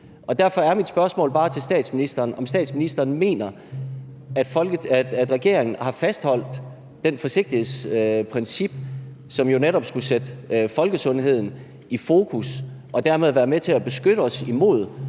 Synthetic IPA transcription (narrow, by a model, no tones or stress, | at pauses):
ʔɒ̽d̥æɐfɒ̽æɐmid̥sb̥ɶɐsmɔ̰̽ːlb̥ɑ̈ːt͡sʰe̝lsd̥ɛ̰ːd̥sminisd̥ɐːnɒ̽msd̥ɛ̰ːd̥sminisd̥ɐːnme̝̰ːnɐ | æ̥flæd̥ʁɛɡ̥e̝ɐe̝ŋn̩hɑ̈fæsd̥hɒ̽l̰d̥ː | enfɒ̽se̝ɡ̥̚d̥ihe̝ðˠspʰʁɛnsib̥̚ | sɒ̽mjo̝neɾɒ̽b̥sɡ̥used̥əfɒ̽lɡ̥əsɔ̽nɦe̝ð̞̰ˠn̩ | ifo̝ːkʰusʔɒ̽d̥æɐ̰með̞ˠʋæːɐmet͡sʰe̝æb̥e̝sɡ̥øɾ̥əɒ̽simo̝̰ð̞̰ˠ